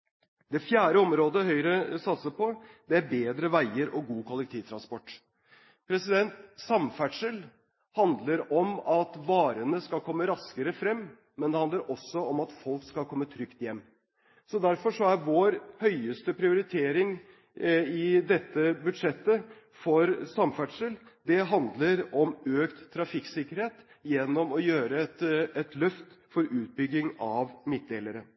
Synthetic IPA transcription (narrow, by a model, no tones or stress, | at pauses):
d̪ɛfjæːɾəɔmɾoːd̪əɦœʏɾəsɑt̪səpʰɔd̪ɛæɾbeːd̪ɾəʋæɪəɾʔɔɡuːkʰʊlɛk̚t̪ʰiːʋt̪ʰɾɑnspɔʈː | pʰɾɛsɪd̪ɛnt̪sɑmfæʈʂəl | hɑnd̪ləɾɔmɑt̪ʋɑːɾənəskɑlkʰɔmːəɾɑskəɾəfɾɛmː | ɛnd̪ɛhɑnd̪əɾʔɔsːɔɔmɑt̪fɔlkskɑlkʰɔmːət̪ʰɾʏkt̪jɛmː | sɔd̪æɾfɔʂɔæɾʋoːɾhœʏəst̪əpʰɾɪʊɾɪt̪ʰeːɾɪŋ | ɪd̪ɛt̪ːəbʉd̪ʂɛt̪ːə | fɔɾsɑmfæʈʂəld̪ɛɦɑnd̪ləɾɔmøːkt̪ʰːɾɑfɪksɪkːəɾheːt̪ | jɛnːɔmɔjøːɾəɛt̪ɛt̪lœft̪fɔɾʉːt̪̚bʏɡːɪŋɑʋmɪt̪̚d̪eːləɾə